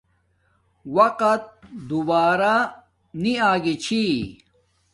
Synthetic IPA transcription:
wɐqɐt̪̚d̪ubaːɾa | niaːɡit͡ɕʰi

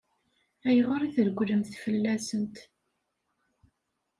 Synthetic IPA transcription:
æjəʁəɾiθəɾɡʷːləmθfəlːæsənt̪

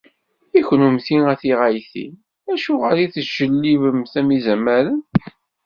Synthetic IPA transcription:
içnumθiŋæθiʁæjθḭ | æʃuʁəliθəʒ̥əlːivəmθæmizæmːæɾən

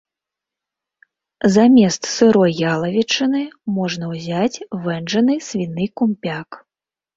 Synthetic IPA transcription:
zamʲɛst̪sɨɾɔjːalˠɐvʲit͡ʂɨnɨmɔʐnɐwzʲat͡sʲvɛnʐɐnɨsʲvʲinːɨkumʲpʲak

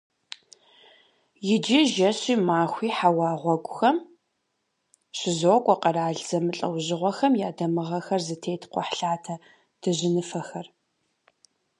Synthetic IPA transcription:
jɪd͡ʒɪʒɐɕiːmaːxʷiːħawɑːʁʷɔɡʷʊxɐm | ɕɪzokʷʼɔqʼɐɾaːɮz̥ɐmɨɬʼɐ̰wʑɪʁʷɔxɐmjaːdɐmɨʁɐxɐrzɨtʰeːtʰqʷɔ̰ħɬaːtʰɐ | d̥ɨʑɪnɨfɐxɐr

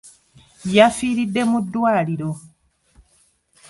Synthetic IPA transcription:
jafiːɾidːe̞mudːwaːliɾo̞

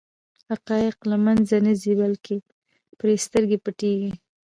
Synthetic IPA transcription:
haqɑjɪqlamanzanəzibalkʰe | pɾest̪əɾɡepəʈeɡi

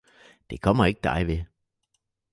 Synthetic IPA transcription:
d̥e̝kʰɒ̽m̰ɐe̝ɡ̥əd̥ɑ̈ɪʋe

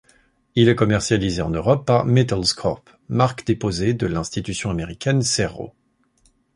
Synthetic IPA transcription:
ilɛkɔmɛʁsjalizeɑ̃nøʁɔpːaʁmɛt̪ɛlskχɔ̰p | maʁkd̪epozed̪əlɛ̃st̪it̪ysjɔ̃ameʁikʲɛnsɛʁo̰

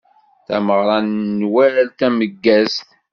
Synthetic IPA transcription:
θæ̰məʁɾˤɑnnwæɾlt̪æməɡːæst̪

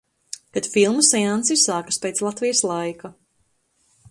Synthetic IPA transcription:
kat̪filˠmusɛansisaːkḁspejt̪slˠat̪vijəslˠajka

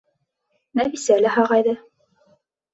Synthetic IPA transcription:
næbisælæɦɑʁɑjðɤ

